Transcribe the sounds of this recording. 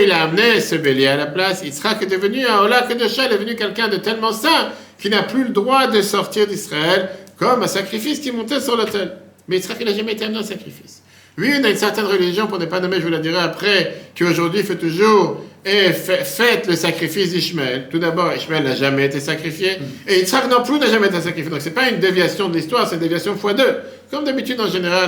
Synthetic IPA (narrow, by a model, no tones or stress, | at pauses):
ilaːmnesəbelealaplasilsə̥ʁakəd̪əvənyɛ̃ɔlakəd̪əʃalɛd̪əvənykʲɛlkʲɛ̃d̪ət̪ɛlmɑ̃sɛ̃ | kilnaplyləd̪ʁwad̪əsɔʁt̪iʁd̪isχaɛlkɔmɛ̃sakχifiskʲimɔ̃t̪ɛsyʁlot̪ɛl | mɛilsə̥ʁakilaʒamɛet̪eamneɛ̃sakχifis | ɥiynaynsɛʁt̪ɛnʁəliʒjɔ̃puʁnɛpanɔmeʒəvulad̪iʁɛapχɛkəoʒuʁd̪ɥifɛt̪uʒuːʁɛfɛfɛt̪ləsakχifis̬d̪iʃmɛlt̪ud̪abɔʁiʃmɛlnaʒamɛet̪esakχifjeeilt̪sχakənɔ̃plynaʒamɛet̪esakχifjed̪ɔ̃ksɛpaynd̪evjasjɔ̃d̪əlist̪waʁsɛt̪ynd̪evjasjɔ̃əfwad̪ø | kɔmd̪abit̪yd̪ɑ̃ʒeneʁal